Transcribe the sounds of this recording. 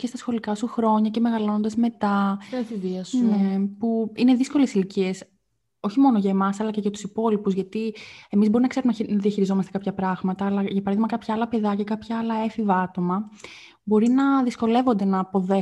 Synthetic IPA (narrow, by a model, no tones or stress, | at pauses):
cest̪ɐsxo̞likɐsuxɾo̞ɲɐce̞me̞ɣɐlo̞nond̪ezme̞t̪ɐfiviɐsnepuine̞ðisko̞le̞silicie̞s | o̞çimo̞no̞ʝɐemɐsɐlɐce̞ʝɐt̪u̥sipo̞lipuzʝɐt̪ie̞mizbo̞ɾinɐkse̞ɾumnnɐðiɐçiɾizo̞mɐst̪e̞kɐpçɐpɾɐɣmɐt̪ɐːlɐʝɐpɐɾɐðizmɐkɐpçɐɐlɐpe̞ðɐcɐkɐpçɐɐlɐe̞fivɐɐt̪o̞mɐ | bo̞ɾinɐðisko̞le̞vond̪e̞nɐːpo̞ðe